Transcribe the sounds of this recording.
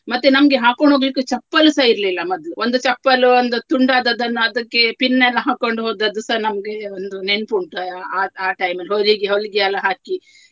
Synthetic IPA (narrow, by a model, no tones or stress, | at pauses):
mɐt̪ːunɐmɐɡeɦaːkoɳɖʱɦoːɡlikːut͡ʃɐpːɐlusaiɾlilːɐmɐd̪luond̪ut͡ʃɐpːɐluond̪ut̪uɳɖaːd̪ɐd̪ɐnːuɐd̪ɐkːe̞pinːɐlːɐɦaːkoɳɖuɦoːd̪ɐd̪usɐnɐmɐɡeond̪unenpuɳʈuaːaːʈɐjmɐlɦoliɡeɦolːiɡeɐlːɐɦaːki